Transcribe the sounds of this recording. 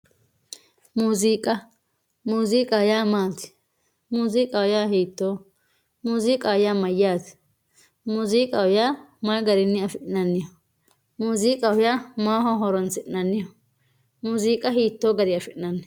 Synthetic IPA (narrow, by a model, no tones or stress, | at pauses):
muːziːkʼɐ | muːziːkʼɐʊjaːmaːt̪ɪ̥ | muːziːkʼɐwʊjaːɦiːt̪ːoː | muːziːkʼaʊjaːmɐjːaːt̪ɪ̥ | muːziːkʼɐwʊjaːmɐjɡɐɾɪnːɪɐfɪʔnɐnːɪjɔ | muːziːkʼɐwʊjaːmaːɦɔɦɔɾɔnsɪʔnɐnːɪjɔ | muːziːkʼɐɦiːt̪ːoːɡɐɾɪɐfɪʔnɐnːɛ